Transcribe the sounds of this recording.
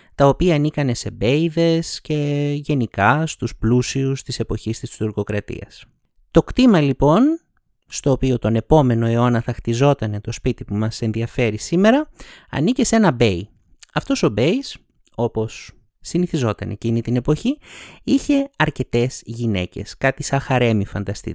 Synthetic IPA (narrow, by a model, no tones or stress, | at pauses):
t̪ɐopiɐːnikɐne̞se̞be̞jðe̞sce̞ʝe̞nikɐst̪usplusiust̪ise̞po̞çist̪ist̪uɾko̞kɾɐt̪ḭɐ̰s | t̪o̞kt̪imɐlipo̞n | st̪o̞ːpio̞t̪o̞ne̞po̞me̞no̞e̞o̞nɐθɐxt̪izo̞t̪ɐne̞t̪o̞spit̪ipumɐse̞nðiɐfe̞ɾisime̞ɾɐɐ̰nice̞se̞nɐbe̞j | ɐft̪o̞so̞be̞is | o̞po̞sː | iniθizo̞t̪ɐne̞̰cinit̪ine̞po̞çiiçe̞ɐɾce̞t̪e̞zʝine̞̰ce̞̰skɐt̪isɐxɐɾe̞mifɐnd̪ɐst̪ḭ